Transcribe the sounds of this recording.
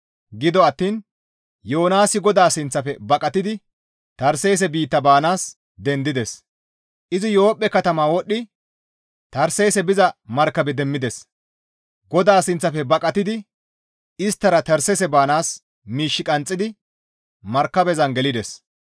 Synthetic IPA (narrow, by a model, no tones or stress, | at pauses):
ɡɪd̪ɔɐt̪ːiːn | jo̞ːnaːsɪɡɔd̪aːsɪnt͡sːɐfɛbɐkʼɐt̪ɪd̪ɪ | t̪ɐɾsejs̬ɛbiːt̪ːɐbaːnaːs | d̪ɛnd̪ɪd̪ɛs | ʔɪzɪjo̞ːpʼːɛkɐt̪ɐmaːwɔɗːɪ | t̪ɐɾsɛjsɛbɪzɐmɐɾkːɐbɛd̪ɛmːɪd̪ɛs | ɡɔd̪aːsɪnt͡sːɐfɛbɐkʼɐt̪ɪd̪ɪ | ɪst̪ːɐɾɐt̪ɐɾsɛsɛbaːnaːs | miːʃːɪkʼɐnt͡sʼːɪd̪ɪ | mɐɾkːɐbɛzɐnɡɛlɪd̪ɛs